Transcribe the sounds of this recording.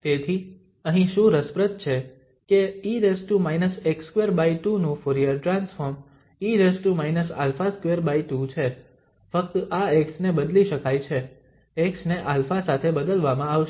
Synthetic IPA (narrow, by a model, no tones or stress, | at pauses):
t̪et̪ʰi | əɦĩʃũɾəspɾət̪̚t͡ʃʰe | keiɾesʈumainəsekskʋeɾbaiʈunũfoɾiəɾʈɾansfəɾm | iɾesʈumainəsa̰lfaskʋeɾbaiʈut͡ʃʰe | fək̚t̪aeksnebəd̪liʃəkajt͡ʃʰeː | ksneʔalfasat̪ʰebəd̪əlʋamãaʋʃ